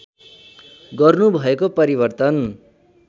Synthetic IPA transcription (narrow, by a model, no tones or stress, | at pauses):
ɡʌrnubʱʌekopʌɾibʌrt̪ʌn